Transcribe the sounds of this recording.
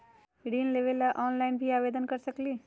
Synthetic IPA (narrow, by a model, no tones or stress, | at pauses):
ɽiːnleʋelaʔɔːnlaɪnbʱiaːʋed̪ənkəɾsəkliː